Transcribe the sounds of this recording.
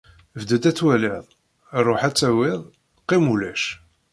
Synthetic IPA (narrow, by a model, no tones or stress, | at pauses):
vd̪əd̪æt͡sːwælɪðˤ | rˤoħæt͡sːæwɪðˤ | qːimulæʃ